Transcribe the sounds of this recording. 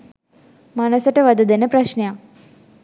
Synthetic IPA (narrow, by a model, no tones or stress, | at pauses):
manəsəʈəʋad̪əd̪enəpraʃneja